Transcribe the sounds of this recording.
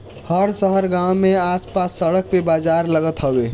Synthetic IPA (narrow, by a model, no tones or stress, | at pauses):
həɾsəɦəɾɡãwmeaspasːəɽək̚pebazaɾləɡət̪ɦəbe